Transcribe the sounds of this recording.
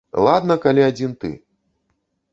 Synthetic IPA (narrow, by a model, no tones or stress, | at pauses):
lˠad̪nɐkalʲiad͡zʲint̪ɨ̰